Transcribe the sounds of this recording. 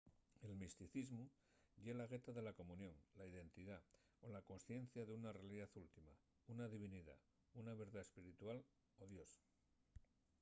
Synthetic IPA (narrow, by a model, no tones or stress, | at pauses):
e̞lmist̪iθizmu | ʎe̞laɣe̞t̪aðe̞lako̞munjõ̞ŋlaiðe̞nt̪iða | o̞lako̞nsθje̞n̟θjaðeunare̞aliðaθult̪ima | unaðiβ̞iniða̰ | unaβe̞ɾðaespiɾit̪wal | o̞ðjo̞s